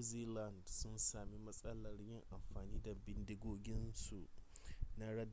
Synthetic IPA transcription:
ziː˦la˦˨ndsʊ˦nsaː˨mi˦mɐ˦sʼɐ˦lɐ˨rjɪ˦ŋʔa˨mɸaː˨niː˦da˨bɪ˦ndɪ˦ɡoː˦ɡʲɪ˦nsu˨ | na˦ɽɐ˦d

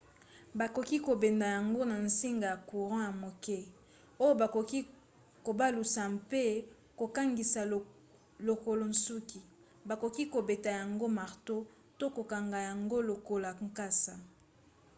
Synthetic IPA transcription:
ba˨ko˨ki˦ko˨be˨nda˨ja˨ŋɡo˦na˨n̩si˦ŋɡa˨ja˨ku˨ʁɑ̃˦ja˨mo˨kɛ˦ | o˦jo˦ba˨ko˨ki˦ | ko˨ba˦lu˨sa˨mpe˦ | ko˨ka˦ŋɡi˨sa˨ | lo˨ko˨lo˨n̩su˦ki˨ | ba˨ko˨ki˦ko˨be˨ta˨ja˨ŋɡo˦ma˨ʁto˦ | to˦ko˨ka˨ŋɡa˨ja˨ŋɡo˦lo˨ko˨la˨ŋ˦ka˦sa˨

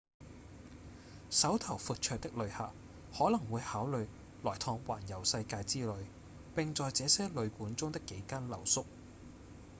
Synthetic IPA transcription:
sɐ˨˥wt̪ʰɐ˨˩wfuː˨˧t̚t͡ʃʰœː˧k̚t̪ɪ˥k̚lɵ˨˧ɥha̰ː˨˩p | hɔː˨˥lɐ˨˩ŋwuː˨˧jhaː˨˥wlɵ˨˧ɥ | lɔː˨˩jt̪ʰɔː˧ŋwa̰ː˨˩njɐ˨˩wsɐ˧jkaː˧jt͡siː˥lɵ˨˧ɥ | pɪ˨ŋt͡sɔː˨jt͡sɛː˨˧sɛː˥lɵ˨˧ɥkuː˨˥nt͡sʊ˥ŋt̪ɪ˥kːe˨˧˥jkaː˥nlɐ˨˩wsʊ˥k̚

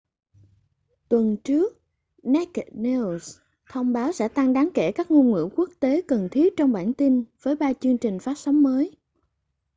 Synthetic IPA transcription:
t̪wə˨˩nt͡ɕɨ˦˥ək̚ | nɛ˦˥kne˧s | t̪ʰə˧wŋ͡mɓaː˨˦wsɛ̰˧˥t̪a˧ŋɗaː˨˦ŋkɛ˧˩kaː˦˥k̚ŋu˧nŋwḭ˧˥ku˦˥ək̚t̪e˨˦kə˨˩nt̪ʰi˦ət̚t͡ɕɔ˧wŋ͡mɓa̰ː˧˩nt̪i˧nvəː˨˦jɓaː˧t͡ɕɨ˧əŋt͡ɕï˨˩ŋ̟faː˦˥t̚sɔ˨˦wŋ͡mməː˨˦j

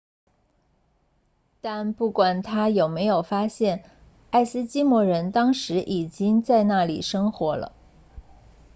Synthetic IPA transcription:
t̪a˥˧npu˥˩kwa˨˩nt̪ʰa˥jo˨˩ʊme˧˥ɪjo˨˩ʊfa˥ɕjɛ˥˩n | a˥˩ɪsɹ̩˥t͡ɕi˥mwɔ˧˥ɻə˧˥nt̪ɑ˥ŋʂɻ̩˧˥ʔi˨˩t͡ɕi˥ŋt͡sa˥˧ɪna˥˩lḭ˨˩ʂɤ˥ŋxwɔ˧˥lə̰˧

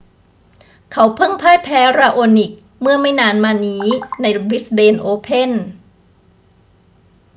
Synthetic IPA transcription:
kʰa˩˦wpʰɤ˥˩ŋpʰaː˥˩jpʰɛː˨˦˥ɾaː˧ʔoː˧ni˨˩k̚ | mɯ˥˩ɐma˥˩jnaː˧nmaː˧niː˦˥na˧jbi˦˥sbeː˧nʔoː˧pʰe˥˩˨n

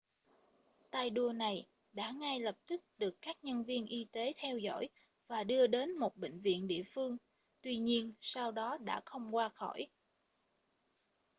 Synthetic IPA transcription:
t̪aː˧jɗu˧əna˨˩j | ɗa̰ː˧˥ŋaː˧jlə˨˩p̚t̪ɨ˦˥k̚ɗɨ˨˩əkːaː˦˥k̚ɲə˧nvi˧ənʔi˧t̪e˨˦t̪ʰɛ˧wzɔ̰˧˥˩j | vaː˨˩ɗɨ˧əɗe˨˦nmo˨˩t̚ɓḛ̈˧˨ŋ̟vḭ˧˨ənɗḭ˧˨əfɨ˧əŋ | t̪wi˧ɲi˧ənsaː˧wɗɔ˨˦ɗa̰ː˧˥xə˧wŋ͡mkwaː˧xɔ˧˩j

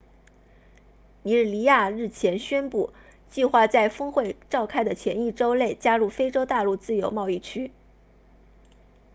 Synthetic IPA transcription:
i˧˥ɻ̩˥˩li˧˥ja˥˧ɻɻ̩˥˩t͡ɕʰjɛ˧˥nɕɥɛ˥npu˥˩ | t͡ɕi˥˧xwa˥˧t͡sa˥˩ɪfɤ˥ŋxwe˥˧ɪʈ͡ʂɑ˥˩ʊkʰa˥ɪd̪ə˨t͡ɕʰjɛ˧˥ni˥˩ʈ͡ʂo˥ʊle˥˩ɪt͡ɕja˥ɻu˥˩fe˥ɪʈ͡ʂo˥ʊt̪a˥˧lu˥˧t͡sɹ̩˥˩jo˧˥ʊmɑ˥˧ʊi˥˩t͡ɕʰy˥

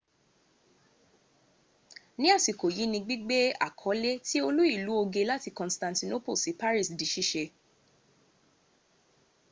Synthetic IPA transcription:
nĩ˦a˦˨si˨ko˨ji˨˦nĩ˧ɡ͡bi˦ɡ͡be˦a̰˦˨kʰɔ˨˦le˦ti˦o˧lu˦i˦˨lu˨˦o˧ɡe˧la˦ti˦˧kɔ̃˨stã˨ntĩ˧no˦po˦˨si˨˦pa˦ɾi˦˨sdi˨˦ʃi˦˨ʃe˧

